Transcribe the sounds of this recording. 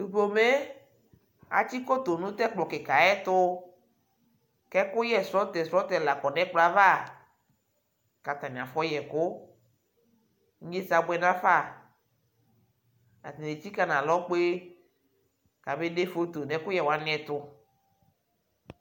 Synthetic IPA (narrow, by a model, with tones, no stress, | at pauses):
u˨bo˨me˦ | a̰˨t͡ʃi˦ko˦t̪o˨nũ˦t̪ɛ˦k͡plɔ˨kɛ˨ka˨ɛ˦t̪ʊ˦ | kɛ˦kʊ˦jɛ˦˨sɔ˦t̪ɛ˨sɾɔ˦t̪ɛ˨la˨kɔ˨nɛ̃˦k͡pla˦va˦˨ | ka˨t̪a˨mĩ˨a˨fɔ˦jɛ˨kʊ˦ | ŋ̩˦ɲe˦sa˨ɡ͡bɛ˨nã˦fa˦˨ | a̰˨t̪e˨ne˨ti˦ka˨nã˨lɔ˦k͡pe˦ | ka˨be˦ne˦fo˦t̪o˨nɛ̃˨kʊ˦jɛ˨wa˨˦nɪ̃˦ɛ˨t̪ʊ˦